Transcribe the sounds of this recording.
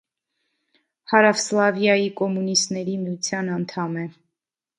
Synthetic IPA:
hɑɾɑvslɑvjɑjikɔmunist̪nɛɾimiut͡sʰjɑnɑnt̪ʰɑmɛ

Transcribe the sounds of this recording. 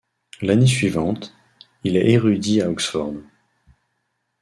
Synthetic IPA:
lanesɥivɑ̃t̪ | ilɛʔeʁyd̪iaɔksfɔ̰ʁn

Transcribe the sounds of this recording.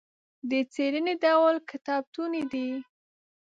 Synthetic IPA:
d̪ət͡seɾəned̪awlkɪt̪ɑb̚t̪uned̪i

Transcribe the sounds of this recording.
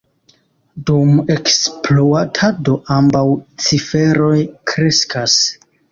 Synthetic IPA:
dume̞ksploatʰado̞ʔambawt͡sife̞ɾo̞jkɾe̞skʰas

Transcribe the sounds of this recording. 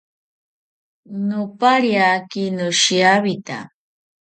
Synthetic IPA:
nʊpaɾjakinʊʃiaβit̪a̰

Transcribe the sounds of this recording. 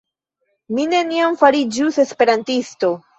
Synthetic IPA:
mine̞niamfaɾid͡ʒuse̞spe̞ɾantisto̞

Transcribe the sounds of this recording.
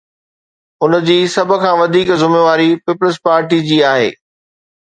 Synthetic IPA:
ʊnd͡ʑiːsɐbʱə̆kʰãːʋɐd̪ʱiːkzʊmeʋaːɾipiːpələspaːɾʈid͡ʑiːaːɦḛː

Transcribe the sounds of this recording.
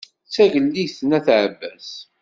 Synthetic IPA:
t͡sːæʝəlːiθnæθʕəbːæs

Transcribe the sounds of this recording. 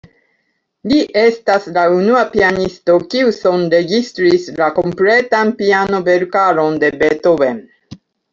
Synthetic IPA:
liʔe̞staslaunuapianisto̞kiuso̞nɾe̞ɡistɾislakompletanpiano̞ve̞ɾkaɾo̞nde̞bet̪ove

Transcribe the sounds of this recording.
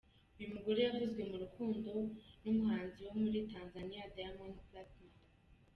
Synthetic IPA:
ujumuɡoɾejaɾizɡwe̞muɾukuːndo̞numuhaːnziwo̞muɾitaːnzanijadajamonuplatn

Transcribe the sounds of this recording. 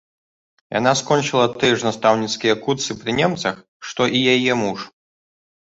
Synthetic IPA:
ja̰naskɔnʲt͡ʂɨlˠɐt̪ɨjɛʐnast̪awnʲit̪skʲijɐkurt̪sɨpɾɨnʲɛmt̪sɐx | ʂt̪ɔʔijajɛmuʂ

